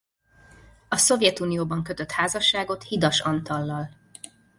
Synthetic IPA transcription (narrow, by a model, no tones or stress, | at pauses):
ɒso̞vjɛt̪uːnijoːbɒŋkø̞t̪øt̪haːzɒʃːaːɡo̞t̪hid̪ɒʃɒnt̪ɒlːɒl